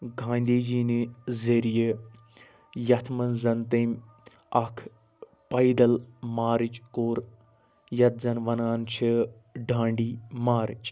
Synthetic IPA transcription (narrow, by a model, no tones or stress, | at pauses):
ɡʱãːnd̪iːd͡ʒiːnizeɾije | jɐt̪ʰmɐnzɐnt̪eːmʲ | ɐkʰ | pɐid̪ɐlmaːɾit͡ʃʼkoːɾ | jɐt̪̚zɐnʋɐnaːnt͡ʃʰiɖʱãːɳɖiːmaːɾḭt͡ʃʼ